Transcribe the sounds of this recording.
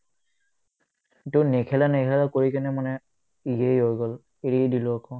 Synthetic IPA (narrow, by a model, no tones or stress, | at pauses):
tunekʰɛlanɛkʰɛlakoɹikanɛmanɛ | ijejɦojɡɔl | eɹidilʊakɔ